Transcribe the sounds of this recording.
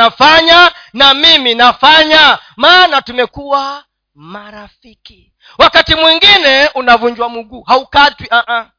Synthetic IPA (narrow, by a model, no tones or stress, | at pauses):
afaɲanamiminafaɲamaːnatumɛkuwa | maɾafiki | wakatimwiŋɡinɛunavuɲd͡ʒwamuɡuːhaukatwiʔaʔa